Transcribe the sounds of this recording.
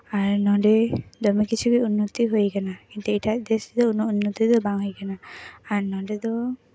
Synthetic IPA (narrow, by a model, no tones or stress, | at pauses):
aɾnɔ̃ɖɛd̪ɔmikit͡ʃʰukɛunːɔt̪iɦojkanakint̪ɛiʈʰaʔd̪esd̪ɔununːɔt̪id̪ɔbaŋɦojkanaːɾnɔ̃ɖɛd̪ɔ